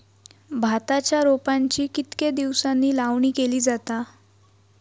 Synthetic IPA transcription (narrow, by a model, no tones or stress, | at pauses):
bʱat̪at͡ɕjaɾopaɲt͡ɕiːkit̪ked̪iʋsanːiːlaʋɳiːkeliːd͡zat̪a